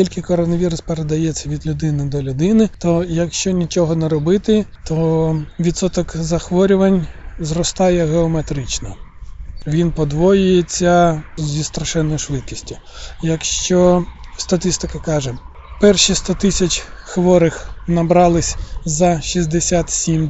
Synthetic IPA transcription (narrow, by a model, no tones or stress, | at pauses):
kʲilʲkɪkɔɾɔnɐʋʲiɾʊspeɾed̪ɐjɛt͡sʲːɐʋʲid̪lʲʊd̪ɪnɪd̪ɔlʲʊd̪ɪnɪt̪ɔjɐkʃt͡ʃɔnʲit͡ʃɔɦɔneɾɔbɪt̪ɪt̪ɔʋʲit̪sɔt̪ɔkzɐxʋɔɾʲʊʋɐnʲzrɔst̪ɑjɛɦeɔmet̪ɾɪt͡ʃnɔ | ʋʲinpɔd̪ʋɔjʊjet͡sʲːɐzʲist̪ɾɐʃɛnːɔjʊʃʋɪt̪̚kʲisʲtʲijɐkʃt͡ʃɔst̪ɐt̪ɪst̪ɪkɐkɑʒɛ | pɛrʃist̪ɔt̪ɪsʲɐt͡ʃʲxʋɔɾɪxnɐbɾɑlˠɪsʲzɐʃizʲd̪esʲat̪sʲim